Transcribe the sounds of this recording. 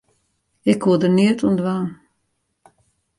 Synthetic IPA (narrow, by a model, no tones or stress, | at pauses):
ɪkhuədəniətʰuəndʋaːn